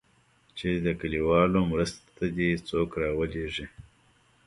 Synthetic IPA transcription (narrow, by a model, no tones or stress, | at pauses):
t͡ʃed̪əkəliwɑlomɾəst̪t̪ad̪it͡soːkɾɑwəleʐi